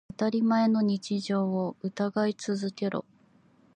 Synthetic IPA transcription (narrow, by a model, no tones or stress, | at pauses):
at̪aɾʲimae̞no̞ɲ̟it͡ɕiʑo̞ːoɯ̟t̪aɡait͡sɨzɨke̞ɾo̞̰